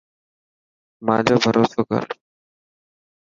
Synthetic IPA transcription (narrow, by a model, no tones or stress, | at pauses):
mãːd͡ʑaːbʱəɾʔoːsoːkə̰ɾ